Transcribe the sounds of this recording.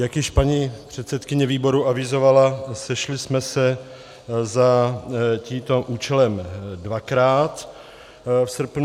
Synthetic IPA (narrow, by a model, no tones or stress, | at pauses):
jakjɪʃpaɲipr̝̥ɛt̪sɛt̪kɪɲɛviːbo̞ɾuʔavɪzo̞valasɛʃlɪsmɛsɛ | za | ciːmt̪o̞ʔuːt͡ʃɛlɛmdvakɾaːt̪ | fsr̩pn